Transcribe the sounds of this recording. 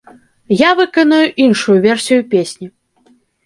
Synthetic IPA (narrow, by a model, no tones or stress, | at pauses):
javɨkɐnɐjuʔinʂujuvʲɛrsʲijupʲesʲnʲi